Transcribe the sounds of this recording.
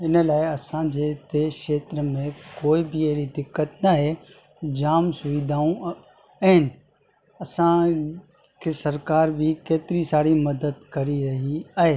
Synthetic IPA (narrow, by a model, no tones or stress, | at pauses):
ɪnəlaːeɐsãd͡ʑeːt̪eːkʃeːt̪ɾəmẽkoːibʱieɦɾid̪ɪkːət̪nɐɦe | d͡ʑaːmsʊʋɪd̪ʱaːũ | ɐɦɪnɪ̆ | ɐsã | kʰesɐɾkaːɾbʱikeːt̪ɪɾisaːɽimɐd̪əd̪kɐɾiɾɐɦiaːɦeː